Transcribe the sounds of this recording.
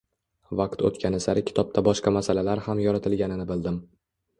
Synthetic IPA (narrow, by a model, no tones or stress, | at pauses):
vɑqt̪o̰t̪kʲʰanɪsaɾɪkʲʰɪ̥t̪ʰɒp̚t̪ʰabɒʃqɑmasalalaɾhamjɒɾat̪ʰɪlɡʲanɪnɪbɪld̪ɪm